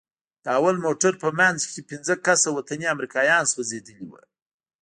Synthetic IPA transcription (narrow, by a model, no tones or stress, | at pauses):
d̪̥əawalmoʈaɾpəmanzkʲepinzəkasawat̪aniamɾikɑjɑnswazed̪əliwə̰